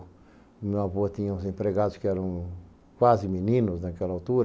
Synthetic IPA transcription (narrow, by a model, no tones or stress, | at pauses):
mẽwaβot̪ĩɲɐũzẽmpɾeɣad̪ʊskɪɛɾɐ̃w̃ | kwazɪminĩnʊznakɛlɐawt̪uɾɐ